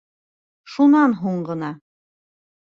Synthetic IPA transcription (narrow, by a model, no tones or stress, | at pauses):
ʃunɑnɦuɴɢɤ̆nɑ